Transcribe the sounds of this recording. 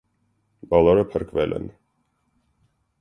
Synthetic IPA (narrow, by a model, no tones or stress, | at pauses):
bɑlɔɾəpʰəɾkʰvɛlʔɛ̰n